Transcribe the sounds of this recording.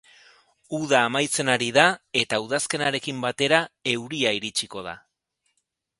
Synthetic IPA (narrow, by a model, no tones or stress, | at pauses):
uðaːmajt͡se̞naɾiðae̞t̪auð̞aske̞naɾe̞kimbat̪e̞ɾae̞wɾiaiɾit͡ʃiko̞ð̞a̰